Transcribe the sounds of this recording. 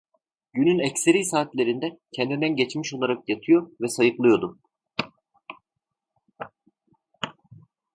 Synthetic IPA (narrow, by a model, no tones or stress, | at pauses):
ɟynynɛcseɾijsaːt̪lʲe̞ɾind̪ɛcʰɛnd̪ind̪ænɟɛt͡ʃmiʃo̞lˠaɾakjat̪ʰɯjo̞vɛsajɯklˠɯjo̞d̪u